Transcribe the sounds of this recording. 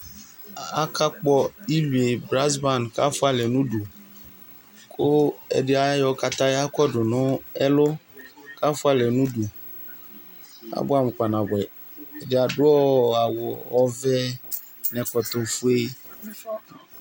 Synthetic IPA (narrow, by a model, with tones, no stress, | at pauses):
a˦kʰa˦k͡pɔ˦i˦li˨e˨bɾa˦s̬ba˦˨nka˦fʊ˦a˦lɛ˨nũ˦du˨ | kʰo˦ɛ̰˨dɪ˦a˨˦jɔ˨˦ka˨t̪ã˦a˦kɔ˦ɖʊ˨nʊ̃˦ɛ˦lʊ˦ka˦fʊ˦a˦lɛ˨nũ˦du˨ | a̰˦bʊ˦a˨m˨ka˨nã˨bɛ˨ | ɛ˨dɪ˨a˨dʊ˦ɔ˦a˨wɔ˨ɔ˦vɛ˦ | nɛ̃˨kɔ˨t̪o˨fu˦e˦